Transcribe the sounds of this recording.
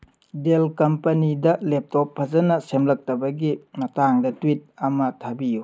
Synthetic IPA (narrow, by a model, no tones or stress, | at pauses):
delkɐmpɐnidɐlep̚tɔpʰːɐzɐnɐsemlɐk̚tɐbɐɡimɐtaŋdɐtwit̚ɐmɐtʰɐbiju